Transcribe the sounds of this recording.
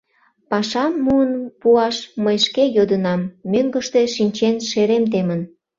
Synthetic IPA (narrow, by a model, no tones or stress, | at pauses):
pɑʃɑmːuənpuɑʃməjʃkejod̪ənɑmːøŋɡəʃt̪e̽ʃinʲt͡ɕenʃeɾemt̪̬emən